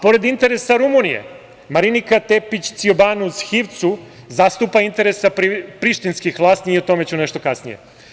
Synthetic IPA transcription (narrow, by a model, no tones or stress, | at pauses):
po̞ɾed̪int̪e̞ɾesaɾumunijḛ | maɾinikat̪epit͡ɕt̪siobanusxiʋt̪su | zast̪upaint̪e̞ɾesapipɾiʃt̪inskixʋlˠaːsnieot̪o̞me̞t͡ɕuneʃt̪o̞kasnijḛ